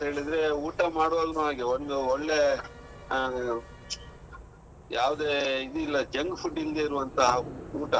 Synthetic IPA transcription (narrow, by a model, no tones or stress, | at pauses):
ɐnt̪ɐɦe̞ːɭid̪ɾe̞uːʈɐmaːɽʋoːlnuɦaːɡeond̪uɔɭːe | jaːʋd̪eːid̪uilːɐd͡ʒɐŋɡpuɖːild̪eiɾuʋɐnt̪ʰɐuːʈɐ